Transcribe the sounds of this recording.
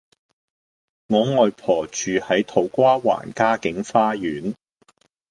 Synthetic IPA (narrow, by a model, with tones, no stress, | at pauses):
ŋɔː˨˧ŋɔː˨jpʰɔː˨˩t͡ʃyː˨hɐ˨˥jt̪ʰo˨˥wkʷaː˥wa̰ː˨˩nkaː˥kɪ˨˥ŋfaː˥jyː˨˥n